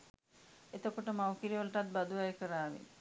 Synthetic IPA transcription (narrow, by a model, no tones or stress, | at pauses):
et̪okoʈəmawkiɾiolʈat̪̚bad̪uaekəɾaːʋḭ